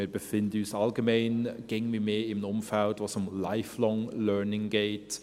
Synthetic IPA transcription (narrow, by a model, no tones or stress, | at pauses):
ɪɾb̥əfɪndəyːsalɡəmeɪnɡ̥eɡŋ̩mimeːɪmnʊmfɛldvoːsʊmlaɪflɔŋlœɹnɪŋɡeːt